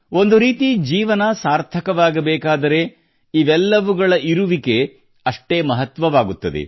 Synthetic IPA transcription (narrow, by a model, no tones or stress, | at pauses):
o̞nd̪uɾiːt̪id͡ʒiːʋɐnɐsaːɾt̪ʰɐkɐʋaːɡɐbɛːkaːd̪ɐɾe̞ | iʋɛlːɐʋuɡɐɭɐʔiɾuʋike̞ | ɐʂʈe̞ːmɐɦɐt̪ʋɐʋaːɡut̪ːɐd̪ḛ